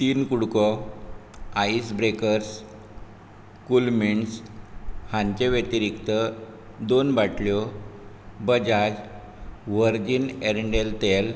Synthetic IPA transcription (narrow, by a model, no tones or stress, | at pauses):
t̪iːnkuɽkɔ | aisbɾekəɾs | kulmiɳs | hãɲt͡ɕeʋet̪iɾikt̪ə | d̪onbaʈljɔ | bəd͡ʑad͡ʑ | ʋəɾd͡ʑineɾəɳɖelt̪el